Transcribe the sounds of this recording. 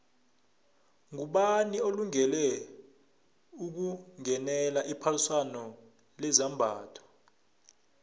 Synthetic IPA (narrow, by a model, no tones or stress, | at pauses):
ŋuɓanioluŋɛlɛ | uk̬uŋɛnɛlaʔipʰaluswanɔ | lɛzambʱaːtʰɔ̥